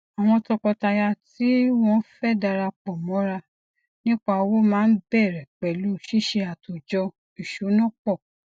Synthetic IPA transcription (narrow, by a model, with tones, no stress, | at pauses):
a˨w̃ɔ̃˧tɔ˧kɔ˧ta˧ja˧ti˦w̃ɔ̃˦fɛ˦da˧ɾa˧k͡pɔ˨mɔ̃˨˦ɾa˧ | nĩ˦k͡pa˧wo˦mãː˦n̩˦bɛ˦˨ɾɛ˨k͡pɛ˨lu˦˨ʃi˦ʃe˧a˨tu˨d͡ʒɔ˧ | i˨ʃu˨˦nɔ̃˦k͡pɔ˦˨